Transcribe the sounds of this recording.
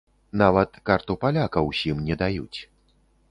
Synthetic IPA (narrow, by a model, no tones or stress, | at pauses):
navɐt̪kart̪upalʲakɐwsʲimnʲɛd̪ajut͡sʲ